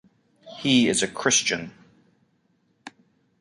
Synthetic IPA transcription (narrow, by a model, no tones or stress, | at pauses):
hiɪzɨkʰɹ̥ɪst͡ʃɨ̃n